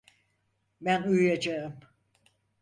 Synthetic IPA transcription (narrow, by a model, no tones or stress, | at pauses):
mænujyjad͡ʒaɯm